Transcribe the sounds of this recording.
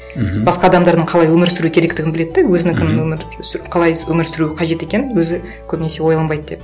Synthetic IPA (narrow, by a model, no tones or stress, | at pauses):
bɑsqɑd̪ɑmd̪ɑɾd̪əɴqʰɑlˠɑjwɵmɪɾsʏɾuɪkʲʰeɾe̞kt̪ɪɡʲɪnbɪle̞d̪ɪd̪æwɵzɪnɪkʲʰɪnɪnwɵmɪɾsqʰɑlˠɑjwɵmɪɾsʏɾuɪqʰɑʒe̞t̪e̞kʲe̞nɪnwɵzɪ | kʲʰɵbɪne̞se̞wo̞jlˠɑmbɑjd̪əd̪e̞p